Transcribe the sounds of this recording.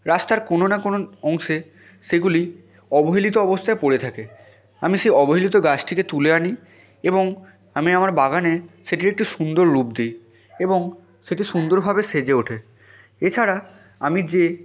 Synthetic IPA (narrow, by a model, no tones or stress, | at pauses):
ɾast̪aɾkononakonoɔŋʃe | ʃeɡuli | ɔboɦilit̪̬oɔbost̪ʰaepoɽet̪ʰake | amiʃejɔboɦilit̪̬oɡat͡ɕʈʰiket̪uleani | eboŋ | amiamaɾbaɡaneʃeʈiɾek̚ʈiʃund̪oɾɾupd̪ej | eboŋ | ʃeʈiʃund̪oɾbʱabeʃed͡ʑeoʈʰe | et͡ɕʰaɾa | amid͡ʑe